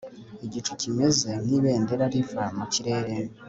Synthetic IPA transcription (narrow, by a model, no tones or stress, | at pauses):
eɟit͡ʃu̥cime̞ze̞niβe̞ːnde̞ɾaɾifamaciɾe̞ːɾe